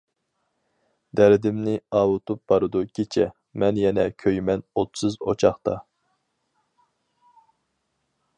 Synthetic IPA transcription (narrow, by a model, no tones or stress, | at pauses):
d̪æɾɪd̪ɪmnɪɑːwʊt̪ʰup̚b̥ɑɾɨd̪ukʲʰet͡ʃʰɛ | mɛnjɛnɛkʲʰøjmɛnot̪sɨzo̰t͡ʃʰɑχt̪ɑ